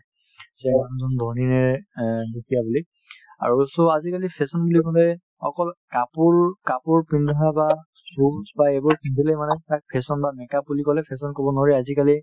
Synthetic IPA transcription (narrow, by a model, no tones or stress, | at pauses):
sɛanzɔndʱɔninɛdukʰijabuli | a̰ɹusɔazikalipʰɛsɔnbulikɔlɛ | ɔ̰kɔlkapuɹkapuɹpindʱɔnaba | susbaebɔɹpindʱilɛmanɛtak̚pʰɛsɔnbamɛkapulikɔlɛpʰɛsɔnkɔbɔnɹiazikali